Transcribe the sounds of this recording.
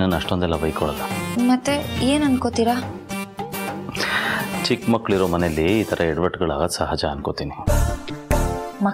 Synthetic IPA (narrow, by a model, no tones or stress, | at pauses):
nɐnːɐʂʈond̪ɛlːɐbɐjkɔɭɐlːɐmɐt̪ːeeːnɐnkot̪iɾa | t͡ʃikmɐkːɭiɾoːmɐnelːiːt̪ʰɐɾʔɐɛɽʋɐʈɡɐɭa̰ːɡɐsɐɦaːd͡ʒɐːnkot̪iːni | mɐ